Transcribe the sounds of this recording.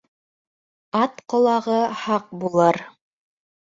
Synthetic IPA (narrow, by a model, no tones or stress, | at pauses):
ɑt̪qŏlˠɑʁɤhɑq̚bulˠɤɾ